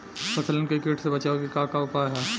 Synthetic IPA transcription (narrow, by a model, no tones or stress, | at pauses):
pʰɐsələnkɾɪkeʈsebɐt͡ʃaːokikakaʊpaɦɛː